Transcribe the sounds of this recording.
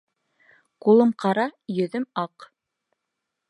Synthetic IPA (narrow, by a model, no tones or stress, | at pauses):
qulˠɤmqɑɾɑjɵ̆ðɘmɑq